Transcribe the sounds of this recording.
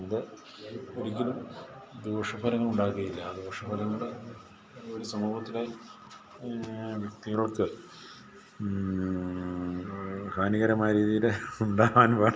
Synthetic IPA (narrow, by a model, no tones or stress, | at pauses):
iðɨ | oɾikʲːɐlumd̪oːʂɐbʱɐɾɐŋːɐɭuɳɖaːuɣɐjilːɐːd̪oːʂɐbʱɐɾɐŋɐɽɨ | ʋɐɾisɐmuːbɐt̪ːilaji | ʋjɐkt̪iɣɐɭoɭkɨ | kʰaːniɣɐɾɐmaːjɐɾiːðijileuɳɖaːʋaːnpaː